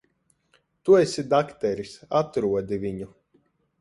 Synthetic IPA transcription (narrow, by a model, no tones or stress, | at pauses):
t̪uesid̪akt̪ɛɾisat̪ɾuɔd̪ivʲiɲu